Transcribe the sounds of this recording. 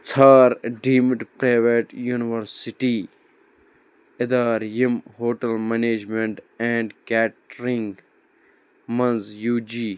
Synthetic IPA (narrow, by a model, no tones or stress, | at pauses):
t͡sʰaːɾɖiːmʈpɾaːʋeːʈjuːniʋɐɾsiʈiː | ɪd̪aːɾjimhoːʈɐlmeneːd͡ʒmeɳʈɛ̃ːɳɖkɛːʈɾiŋɡ | mɐnzjuːd͡ʒiː